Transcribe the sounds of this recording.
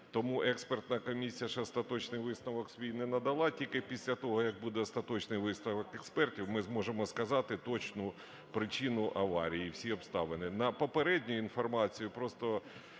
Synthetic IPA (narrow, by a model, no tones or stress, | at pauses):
t̪ɔmuʔɛkspert̪nɐkɔmʲisʲijɐʃɛst̪ɐt̪ɔt͡ʃnɪjʋɪsnɐʋɔksʲʋʲijnɛnɐd̪ɐlˠɑtʲilʲkɪpʲisʲlʲɐt̪ɔɦɔjɐɡ̚bud̪ɛst̪ɐt̪ɔt͡ʃnɪjʋɪsnɐʋɔkekspɛrtʲiwmɪzmɔʒemɔskɐzɑt̪ɪt̪ɔt͡ʃnʊ | pɾɪt͡ʃinʊʔɐʋɑ̰ɾʲijiwsʲiɔpst̪ɑʋenɪnɐpɔpeɾɛdʲnʲʊjʊinfɔrmɑt͡sʲijʊpɾɔst̪ɔ